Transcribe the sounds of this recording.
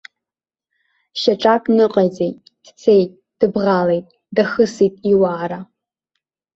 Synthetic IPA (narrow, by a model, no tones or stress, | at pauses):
ʃɐʈ͡ʂʼakʼnɨqʼɐzejtʼ | d̥t͡sʰejtʼ | d̥ɨbʁaːlejtʼ | dɐxɨsitʼiwaːɾa